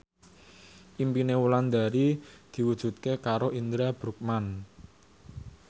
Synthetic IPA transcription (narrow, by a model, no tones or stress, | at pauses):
ʔimpinewuland̪a̤ɾid̪̥i̤wud̥ʒ̥ṳt̪̚kekaɾoʔind̪ɾab̥ɾuk̚man